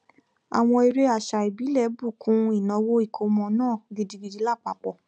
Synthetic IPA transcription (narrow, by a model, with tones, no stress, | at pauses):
a̰˨w̃ɔ̃˧e˧ɾe˧˦a˦˨ʃa˨i˨bi˨˦lɛ˦˨˦bu˦˨kʰũ˨˦i˦˨nɔ̃˨˧wo˦i˦˨kʰo˧˦mɔ̃˧˦nãː˦˨ɡe˨˧di˧ɡi˧di˨˦la˦˨k͡pa˨k͡pɔ˨